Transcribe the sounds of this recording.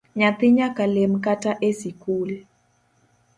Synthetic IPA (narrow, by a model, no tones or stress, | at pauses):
ɲat̪ɪɲakalemkataʔesikul